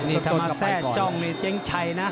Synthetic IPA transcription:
nː˧˩˧maː˧sɛː˧˥˩t͡ɕɔ˥˩ŋne˧kt͡ɕe˦˥ŋt͡ɕʰa˧jna˦˥

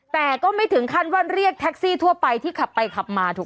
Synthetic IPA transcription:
t̪ɛː˨˩kɔː˥˩ma˥˩jt̪ʰɯ˩˦ŋkʰa˥˩nwa˥˩nɾi˥˩ək̚t̪ʰɛ˦˥k̚siː˥˩t̪ʰu˥˩əpa˧jt̪ʰiː˥˩kʰa˨˩pːa˧jkʰa˨˩p̚maː˧t̪ʰuː˨˩

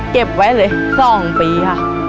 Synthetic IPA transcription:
ke˨˩p̚wa˦˥jlɤː˧jsɔː˥˩ŋpiː˨˧kʰa˥˩ʔ

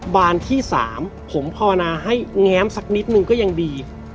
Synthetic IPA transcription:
baː˧nt̪ʰiː˥˩sa̰ː˩˦mpʰo˩˦mpʰa˧wa˧naː˧ɦa˥˩jŋɛː˦˥msa˨˦k̚ni˦˥t̪̚nɯ˨˧ŋkɔː˥˩ja˧ŋdiː˧

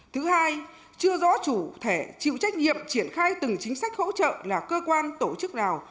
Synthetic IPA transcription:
t̪ʰɨ˨˦haː˧j | t͡ɕɨ˧əzɔ̰˧˥t͡ɕu˧˩t̪ʰe˧˩t͡ɕḭ˧˨wt͡ɕa˦˥k̟̚ɲḭ˧˨əmt͡ɕi˧˩ənxaː˧jt̪ɨ˨˩ŋt͡ɕï˨˦ŋ̟sa˦˥k̚ho̰˧˥t͡ɕə̰ː˧˨laː˨˩kəː˧kwaː˧nt̪o˧˩t͡ɕɨ˦˥k̚naː˨˩w

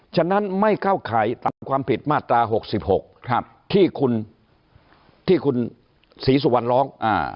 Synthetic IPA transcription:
t͡ɕʰa˧˥˩nːa˦˥nma˥˩jkaː˥˩wkʰaː˩˦jt̪a˨˦a˧kʰwaː˧mpi˨˩t̪̚maː˥˩t̪ːɾaː˧ɦo˨˩k̚si˨˩p̚ho˨˩k̚p̚ | t̪ʰiː˥˩kʰu˧n | t̪ʰiː˥˩kʰu˧n | siː˩˦s̬u˨˩wa˧nlɔː˦˥ŋʔa̰ː˧˩

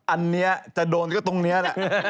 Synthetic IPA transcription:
ʔa˧nːi˦˥ɐt͡ɕa˨˩doː˧nkɔː˥˩t̪o˧ŋni˦˥ɐlɛ˨˩ʔ

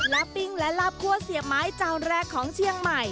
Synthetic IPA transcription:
la˦˥pːi˧˩ŋlɛ˦˥la˦˥p̚kʰu˥˩əsi˨˩əp̚maː˦˥jt͡ɕaː˧wnɾɛː˧˩kʰːɔː˩˦ŋt͡ɕʰi˧˥əŋma˨˩j

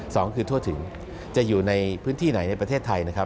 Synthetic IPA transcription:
sɔː˩˦ŋkʰɯː˧t̪ʰu˥˩ət̪ʰɯ˩˦ŋ | t͡ɕa˨˩juː˨˩na˧jpʰɯː˦˥nt̪ʰiː˥˩na˩˦jna˧jpɾa˧t̪ʰeː˥˩t̪ʰːa˧jna˦˥kʰa˦˥

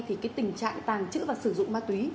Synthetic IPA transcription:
t̪ʰi˨˩kaː˨˦jt̪ï˨˩ŋ̟t͡ɕa̰ː˧˨ŋt̪aː˨˩ŋt͡ɕɨ̰˧˥vaː˨˩sɨ˧˩zʊ̰˧˨ŋ͡mmaː˧˥t̪wi˨˦

